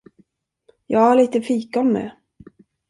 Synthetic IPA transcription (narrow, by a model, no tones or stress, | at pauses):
jɑːɡhaɭiːt̪əfiːkɔmːɛ̰